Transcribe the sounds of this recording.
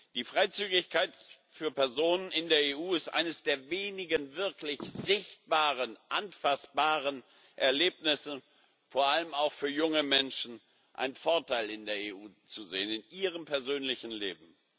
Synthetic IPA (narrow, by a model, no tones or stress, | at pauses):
d̥iːfʁ̥aɪt͡syːɡɪçkʰaɪt | fyːɐpɛɐzoːnənɪndeːɐeːʔuːɪstʔa̰ɪnəsd̥eːɐveːnɪɡənvɪɐklɪçz̥ɪçt̚b̥aːʁənʔanfasb̥aːʁən | ʔɛɐleːpnɪsə | foːɐʔaləmaʊxfyːɐjʊŋəmɛnʃn̩ | ʔa̰ɪnfɔɐtʰaɪlɪndeːɐeːʔuːt͡suzḛːənɪnʔiːʁ̞əmpʰɛɐzøːnlɪçn̩lḛːbm̩